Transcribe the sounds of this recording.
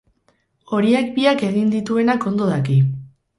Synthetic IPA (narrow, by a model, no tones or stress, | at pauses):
o̞ɾiakbiake̞ɣ̞ind̪it̪ue̞nako̞nd̪oðaki